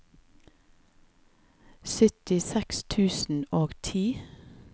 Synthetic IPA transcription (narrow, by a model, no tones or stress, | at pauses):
sʏt̪ɪsɛkst̪ʰʉːsn̩oːɡt̪ʰiː